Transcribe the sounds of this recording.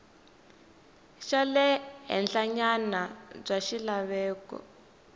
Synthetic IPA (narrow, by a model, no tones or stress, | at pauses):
ʃalɛɦɛ̰nɬaɲanab͡ʐaʃilaβɛːkɔ̰